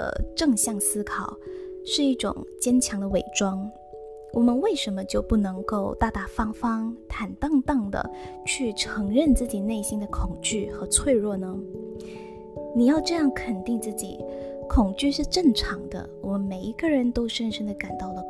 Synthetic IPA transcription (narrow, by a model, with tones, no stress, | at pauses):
ə̰˩ʈ͡ʂɤ˥˧ŋɕjɑ˥˩ŋsɹ̩˥kʰɑ˨˩ʊʂɻ̩˥˧i˥˩ʈ͡ʂʊ̰˨˩ŋt͡ɕjɛ˥nt͡ɕʰjɑ˧˥ŋd̪ə˧we˨˩ɪʈ͡ʂwɑ˥ŋ | wʔɔ˨˩mə˦nwe˥˩ɪʂə˧˥nmə˧t͡ɕjo˥˧ʊpu˥˩nɤ˧˥ŋko˥˧ʊt̪a˥˧t̪a˥˩fɑ˥ŋfɑ˥ŋt̪ʰa˨˩nt̪ɑ˥˧ŋt̪ɑ˥˩ŋd̪ə̰˩ | t͡ɕʰy˥˩ʈ͡ʂʰɤ˧˥ŋɻə˥˧nt͡sɹ̩˥˩t͡ɕi˨˩ne˥˩ɪɕi˥nd̪ə˨kʰʊ˨˩ŋt͡ɕy˥˩xɤ˧˥t͡sʰwe˥˧ɪɻwɔ˥˩nə˦ | ni˨˩jɑ˥˧ʊʈ͡ʂɤ˥˧jɑ˥˩ŋkʰə˨˩nt̪i˥˧ŋt͡sɹ̩˥˩t͡ɕḭ˨˩˦kʰʊ˨˩ŋt͡ɕy˥˧ʂɻ̩˥˧ʈ͡ʂɤ˥˩ŋʈ͡ʂʰɑ˧˥ŋd̪ə̰˧wɔ˨˩mə˧˦nme˨˩ɪi˧˥kə˥˧ɻə˧˥nt̪o˥ʊʂə˥nʂə˥ŋd̪ə˨ka˨˩nt̪ɑ˥˩ʊd̪ə˩